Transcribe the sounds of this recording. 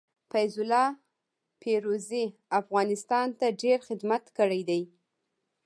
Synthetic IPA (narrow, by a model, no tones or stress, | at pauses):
fajzʊlɑ | pʰeɾoziafɣɑnɪst̪ɑnt̪aɖeɾxɪd̪mat̪kəɽajd̪aj